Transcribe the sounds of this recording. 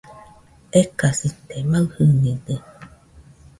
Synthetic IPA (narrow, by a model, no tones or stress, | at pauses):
ekasit̪emahɯnidə